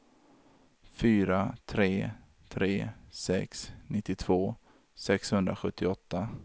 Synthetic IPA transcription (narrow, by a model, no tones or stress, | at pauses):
fyːɾat̪ʰɾeː | t̪ʰɾeːsɛksnɪt̪ːɪt̪ʰv̥oː | sɛkshɵnd̪ɾaɧɵt̪ʰːɪɔt̪ːa